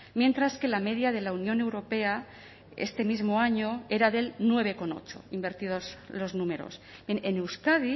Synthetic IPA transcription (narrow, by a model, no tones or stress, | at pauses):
mje̞nt̪ɾaske̞lame̞ðjað̞e̞launjo̞newɾo̞pe̞a | ḛst̪e̞mizmo̞aɲo̞e̞ɾaðe̞lnwe̞β̞e̞ko̞no̞̰t͡ʃo̞̰imbe̞ɾt̪ið̞o̞zlo̞znume̞ɾo̞̰sbenenewskaði